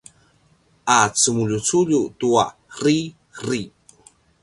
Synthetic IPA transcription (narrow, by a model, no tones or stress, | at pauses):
ʔat͡səmuʎut͡suʎutuari | ɾi